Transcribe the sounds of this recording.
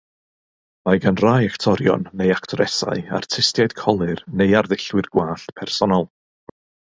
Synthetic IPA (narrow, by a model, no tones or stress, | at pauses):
majɡanrajaktʰɔɾjɔ̰nːejaktʰɔɾɛsa̰ja̰rtʰɪstjajd̥kʰɔlˠɨrnejarðɪɬwɨrɡwaːɬpʰɛrsɔnɔlˠ